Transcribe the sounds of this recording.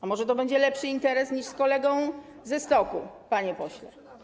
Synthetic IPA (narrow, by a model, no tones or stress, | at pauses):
amɔʐɛt̪ɔbɛɲd͡ʑɛlɛpʂɘint̪ɛɾɛsɲiʂskɔlɛɡɔ̃w̃ | zɛst̪ɔkupaɲɛpɔɕlɛ